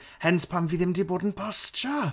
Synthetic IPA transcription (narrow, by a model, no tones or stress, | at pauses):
hɛnspʰamviðɪmdibɔdn̩pʰɔst͡ʃə